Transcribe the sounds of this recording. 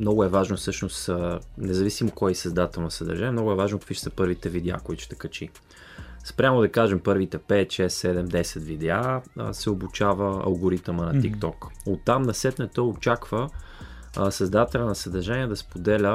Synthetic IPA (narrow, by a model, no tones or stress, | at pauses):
mnɔɡʊɛvaʒnosɤʃnosnɛzɐvisimokɔjɛsɐzd̪at̪ɛlˠnɐsɐd̪ɐ̰ɾʒaniɛmnɔɡʊɛvaʒnokəkviʃt̪səpɤɾvit̪ɛvid̪ɛa̰koit̪ʊ̥ʃt̪ɛ̥kɐt͡ʃi | spɾʲamod̪ɐkaʒɛmpɤɾvit̪ɛpɛt̪ʃɛsːɛd̪ɛmd̪ɛsɛt̪vid̪ɛa̰sɛobut͡ʃavəɐ̰lˠɡoɾit̪əmənɐt̪ikt̪ɔkot̪ːamnɐsɛt̪nɛt̪əot͡ʃakvə | sɐzd̪at̪ɛlʲənɐsɐd̪ɐɾʒanʲiɛd̪ɐspod̪ɛlʲə